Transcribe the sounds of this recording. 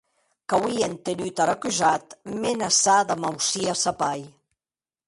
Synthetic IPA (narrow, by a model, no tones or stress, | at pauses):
kawient̪enyt̪aɾakyzat̪menasaðamawsiasapaj